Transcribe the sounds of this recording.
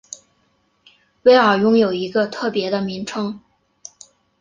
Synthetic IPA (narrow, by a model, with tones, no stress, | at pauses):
we˥ɪə˞˨˩jʊ˥ŋjo˨˩ʊi˧˥ɡə˧t̪ʰɤ˥˩pjɛ˧˥d̪ə˧mi˧˥ŋʈ͡ʂʰɤ˥ŋ